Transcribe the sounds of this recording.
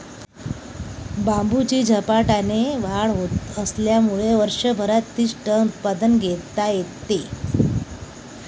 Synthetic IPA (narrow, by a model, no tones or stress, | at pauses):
bambut͡ɕiːd͡ʑʱəpaʈaneʋaɭɦot̪əsljamuɭeʋəɾʂəbʱəɾat̪ːiːʂʈəut̪̚pad̪ənɡʱet̪ːajett̪ːe